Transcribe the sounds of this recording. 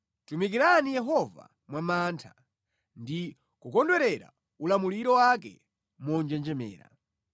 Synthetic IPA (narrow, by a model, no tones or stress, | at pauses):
tumikiɾanijɛɦɔva̰ | mwamaːntʰa | ndi | kukɔndwɛɾɛɾa̰ | ulamuliɾɔwakɛ̰ | mɔnd͡ʒɛnd͡ʒɛmɛ̰ːɾa̰